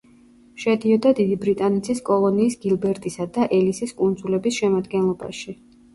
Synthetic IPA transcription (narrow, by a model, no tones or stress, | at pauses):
ʃɛd̪iɔd̪ad̪id̪ibɾit̪ʼanɛt̪sʰiskʼɔlˠɔniːsɡilˠbɛɾt̪ʼisad̪aʔɛlisiskʼund̪zulɛbisʃɛmad̪ɡɛnlˠɔba̰ʃi